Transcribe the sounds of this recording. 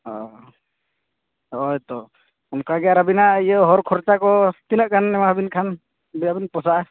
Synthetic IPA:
ɔ | ɔjt̪ɔ | ɔmkaɡɛjaɾabinaʔijəɦɔɾkʰɔɾt͡ʃakɔt̪inəʔkʰanːɛmaɦbinkʰan | biabinpɔsaʔa

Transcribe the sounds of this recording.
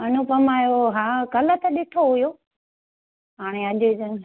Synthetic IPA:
ɐnupɐmaːjoɦaːkɐlət̪ʰəɗɪʈʰoɦʊjoː | ɦaːɽ̃eɐʄed͡ʑən̆

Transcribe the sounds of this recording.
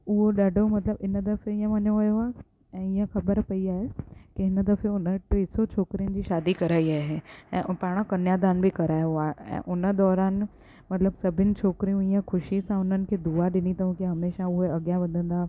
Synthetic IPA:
ʊɦoɗaɖʱomɐt̪ləbɪnəd̪ɐfeĩə̃ʋɐɲoʋɐjoaːe | ɛ̃ːɪjə̃xɐbəɾpɐiaːɦekɪɪnəd̪ɐfeʊnəʈeːsot͡ɕʰoːkɾijʊnɪ̆d͡ʑiːʃaːd̪ikɐɾaːiaːɦeɛ̰̃ːpaːɽ̃əkɐnjad̪aːnbɪkɐɾaːjoaːɦeɛ̰̃ːʔʊnə̆d̪ɔːɾaːn | mɐt̪ləbsɐbʱɪnɪ̆t͡ɕʰoːkɪɾijũijaxʰʊʃisãʊn̤ənɪ̆kʰeːd̪uaɗɪnit̪ɐũkiɦɐmeːʃaʊɦeɐɡjaʋɐd̪ʱə̃nd̪aː

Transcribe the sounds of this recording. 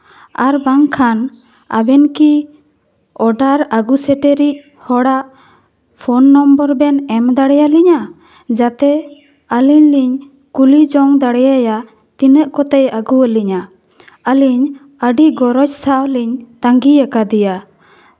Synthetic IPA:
aɾbaŋkʰan | a̰bɛnki | ɔɖaɾaɡusɛʈɛɾic̚ | hɔɽaʔ | pʰɔnːɔmbəɾbɛnɛmd̪aɽɛjaliɲa | d͡ʒat̪ɛ | əliɲliɲ | kulid͡ʒɔŋd̪aɽɛjaja | t̪inəʔkɔt̪ɛjaɡuəliɲa | əliɲ | əɖiʔɡɔɾɔt͡ʃsawliɲt̪aŋɡijakad̪ija

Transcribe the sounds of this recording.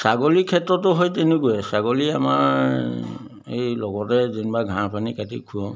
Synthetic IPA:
saɡolikʰːɛtɹɔtʊɦojtɛnekujɛsaɡoliamaɹ | ḛjlɔɡɔtɛzinbaɡʱãpʰanikatḭkʰuɔm

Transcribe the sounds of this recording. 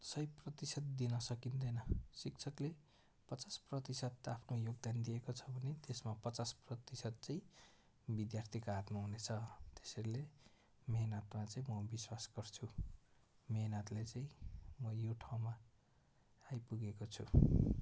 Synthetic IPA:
sʌjprʌt̪isʌt̪̚d̪inʌsʌkind̪ʌjnʌsikt͡sʰʌkle | pʌt͡sasprʌt̪isʌd̪apʰnojoɡd̪and̪ijekot͡sʰʌbʱʌnet̪esmapʌt͡sasprʌt̪isʌd̪̚t͡sãĩ | bid̪jart̪ʰikoat̪maɦunet͡sʰʌt̪e̥sʌɾile | meɦnʌt̪mat͡saĩmʌbiswasɡ̥ʌrt͡sʰu | meɦnʌt̪let͡saĩmʌjoʈʰaw̃maː | jpuɡekot͡sʰu

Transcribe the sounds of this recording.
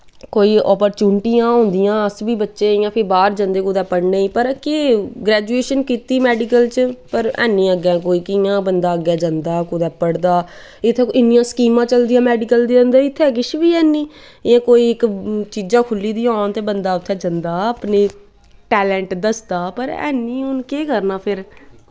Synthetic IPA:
koːiːɔːpəɾt͡ʃuːnɪʈiːãːɦõːnd̪ɪjãːəsbiːbətːʃẽːɪjãːpʰɪɾbaːɾd͡ʒə̃nd̪eːkʊd̪ɛːpəɽneːiːpəɾkɪɡɾɛːd͡ʒueːʃənkiːt̪iːmɛːɖɪkəlt͡ʃpəɾɛ̰ːnːĩːəɡãːkoːiːkɪjãːbənd̪aːəɡjaːd͡ʒãnd̪aːkʊd̪ɛːpəɽd̪aː | ɪt̪ʰːeːɪnːɪjãːsə̥kiːmãːt͡ʃəld̪ijãːmɛːɖɪkəld̪iːə̃nd̪eːɪt̪ʰːeːk̬ɪʃbiːɛːniː | jãːkoːiːɪkt͡ʃiːd͡ʒãːkʰʊlːiːd̪iːaːnt̪eːbənd̪aːʊt̪ʰːɛːd͡ʒənd̪aːəpneː | ʈɛːlɛ̃ːɳʈd̪əsd̪aːpəɾɛ̰ːniːʊnkeːkəɾnaːpʰɪɾ

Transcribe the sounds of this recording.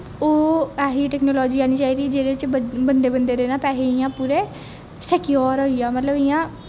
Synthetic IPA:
oːɛːɦiːʈɛːknoːlɔːd͡ʒiːaːniːt͡ʃaːiːɾiːd͡ʒeːɾeːɪt͡ʃbənd̪eːbənd̪eːɾeːnãːpɛːɦeiːãːpuːɾeː | sɛːkijɔːɾoːiaːmət̪ləbɪjãː

